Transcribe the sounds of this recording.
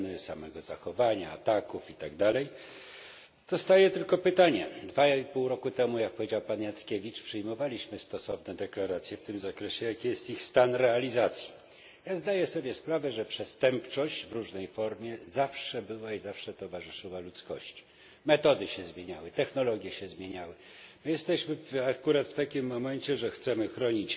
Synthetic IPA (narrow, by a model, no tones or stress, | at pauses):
nɘsamɛɡɔzaxɔvaɲa̰ːt̪akufit̪aɡd̪alɛj | d̪̥ɔst̪ajɛt̪ɘlkɔpɘt̪aɲɛd̪vaipuwɾɔkut̪ɛmujak̚pɔvʲed͡ʑawpanjat̪skʲevʲit͡ʂpʂɘjmɔvalʲiɕmɘst̪ɔsɔvnɛd̪ɛklaɾat̪sʲjɛft̪ɘmzakɾɛɕɛjakʲijɛst̪ixst̪anɾɛalʲizat̪sʲji | jazd̪ajɛsɔbʲjɛspɾavɛʐɛpʂɛst̪ɛmpt͡ʂɔɕt͡ɕvɾuʐnɛjfɔɾmʲjɛzafʂɛbɘwaizafʂɛt̪ɔvaʐɘʂɘwalut̪skɔ̰ɕt͡ɕ | mɛt̪ɔd̪ɘɕɛzmʲjeɲawɘt̪ɛxnɔlɔɡʲjɛɕɛzmʲjeɲawɘmɘjɛst̪ɛɕmɘfakuɾat̪ft̪akʲimːɔmɛɲt͡ɕɛʐɛxt̪sɛmɘxɾɔɲit͡ɕ